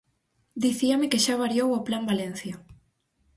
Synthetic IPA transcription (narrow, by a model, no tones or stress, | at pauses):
d̪iθiamɪkeʃaβaɾjowoplambalen̟θja